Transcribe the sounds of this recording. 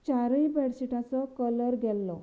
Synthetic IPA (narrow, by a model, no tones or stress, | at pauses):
t͡ɕaɾəibʱɛɽsiʈʰãt͡sɔkələɾɡʱɛlːɔ